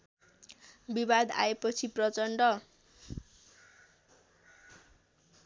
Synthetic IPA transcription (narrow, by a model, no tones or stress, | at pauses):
bibad̪a̰epʌt͡sʰiprʌt͡sʌɳɖʌ